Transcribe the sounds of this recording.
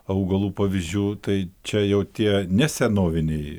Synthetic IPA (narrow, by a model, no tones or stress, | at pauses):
ɐʊɡɐlˠuːpɑːʋʲizʲd͡ʒʲuːt̪ɐɪt͡ʃʲɛjɛʊt̪ʲiɛnʲɛsʲɛnoːʋʲɪnʲɛɪ